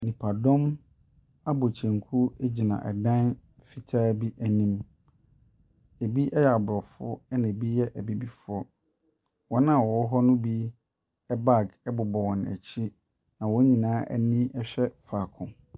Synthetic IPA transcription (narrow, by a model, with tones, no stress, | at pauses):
nĩ˨pʰa˨dɔ̃˦m | a˦bo˨t͡ɕʰɛ̃˨ŋkʰu˦e˦d͡ʑi˨nã̰˨ʔɛ˨dã˦n | fi˨tʰaː˦bi˦ʔæ˨nĩ˦m | e˨bi˦ʔɛ˦jɛ˨a˨bɾɔ˨fʊ˦ɔ˦ɛ˦nã˨bi˦jɛ˦ʔæ˨bi˦bi˦fʊ˦ɔ˦ | wɔ˦nã˦˨wɔ˨˦ɦɔ˦nʊ̃˦bi˦ | ɛ˦ba˦˨ɡɛ˦bʊ˨bɔ˨wɔ̃˨næ̰˨t͡ɕʰi˦ | nã˨wɔ˦ɲĩ˨nãː˦ʔæ̰˨nĩ˦ɛ˦ɕᶣɛ˦fa˨kʰʊ̃˨